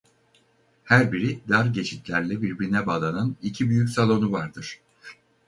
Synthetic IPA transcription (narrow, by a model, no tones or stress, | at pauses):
hæɾbiɾid̪aɾɟe̞t͡ʃʰit̪lʲæɾlʲɛbiɾbiɾinɛbaːlˠananicʰibyjycʲsalˠo̞nuvaɾd̪ɯɾ̥